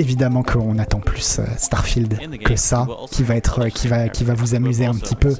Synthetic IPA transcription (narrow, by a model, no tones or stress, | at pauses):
evid̪amɑ̃kʰəɔ̃nat̪ɑ̃plysø̰st̪aʁfild̪kəsakʲʰivaɛt̪χəkʲʰivakʲivavuzamyzeɛ̃pə̥t̪ʰipø